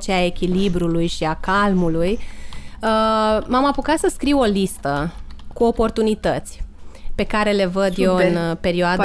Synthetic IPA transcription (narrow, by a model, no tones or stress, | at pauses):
t͡ʃeae̞kʲilibɾulujʃiakalmuluj | əmamapukat̪səskɾiwo̞list̪əkuo̞po̞rt̪unit̪ət̪sʲpe̞kaɾe̞le̞vəd̪jewɨnpe̞ɾioad̪